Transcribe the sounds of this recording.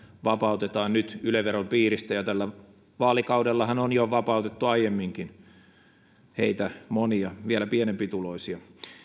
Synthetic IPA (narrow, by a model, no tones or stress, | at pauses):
ʋɑpɑut̪et̪ɑːnnyt̪yleʋerompiːrist̪æjɑt̪ælːæ | ʋɑːlikɑudelːɑhɑnonjoʋɑpɑˑut̪et̪ːuɑijemːiŋkin | heit̪æmoniɑʋielæpienempit̪uloisiɑ